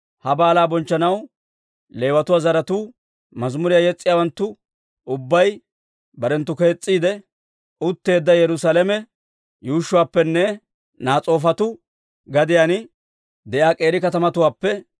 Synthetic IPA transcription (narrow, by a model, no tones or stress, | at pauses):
hɐbaːlaːbɔnt͡ʃːɐnɐw | le̞ːwɐt̪ʊwaːzɐɾɐt̪uː | mɐzmʊɾɪjajɛt͡sʼːɪjaːwɐnt̪ːʊ | ʊbːɐj | bɐɾɛnt̪ːʊke̞ːt͡sʼːiːd̪ɛ | ʔʊt̪ːe̞ːd̪ːɐjɛɾʊsaːlɛmɛ | juːʃːʊwaːpːɛnːɛ | naːt͡sʼo̞ːfɐt̪ʊ | ɡɐd̪ɪjaːn | d̪ɛʔjaːkʼe̞ːɾɪkɐt̪ɐmɐt̪ʊwaːpːɛ